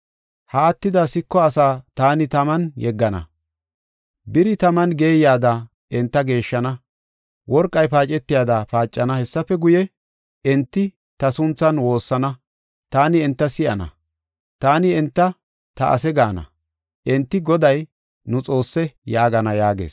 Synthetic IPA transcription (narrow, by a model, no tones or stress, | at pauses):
haːt̪ːɪd̪ɐsɪkːɔɐsaːt̪aːnɪt̪ɐmɐnjɛɡːɐnɐ̰ | bɪɾɪt̪ɐmɐnɡe̞ːjaːd̪ɐ | ɛnt̪ːɐɡe̞ːʃːɐnɐ | wɔɾkʼːɐjpaːt͡ʃʼɛt̪ːɪjaːd̪ɐpaːt͡ʃʼːɐnɐhɛsːɐfɛɡʊjɛ | ɛnt̪ːɪ | t̪ɐsʊnt͡sːɐnwo̞ːsːɐnɐ | t̪aːnɪɛnt̪ːɐsɪʔɐ̰nɐ̰ | t̪aːnɪɛnt̪ːɐ | t̪ɐʔɐ̰sɛɡaːnɐ̰ | ʔɛnt̪ːɪɡɔd̪ɐj | nʊt͡sʼo̞ːsːɛjaːɡɐnɐjaːɡḛːs